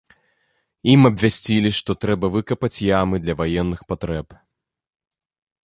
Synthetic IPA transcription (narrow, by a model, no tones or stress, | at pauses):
imɐbʲvʲasʲt͡sʲilʲiʂt̪ɔt̪ɾɛbɐvɨkɐpɐt͡sʲjamɨd̪lʲɐvajɛnːɨxpat̪ɾɛp